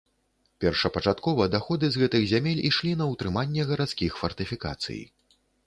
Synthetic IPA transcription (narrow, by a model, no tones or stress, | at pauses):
pʲɛrʂɐpɐt͡ʂat̪kɔvɐd̪axɔd̪ɨzɣɛt̪ɨɣzʲamʲelʲḭʂlʲin̪ɐwt̪ɾɨmanʲːɛɣɐɾat̪skʲixfɐrt̪ɨfʲika̰t̪sɨ̰j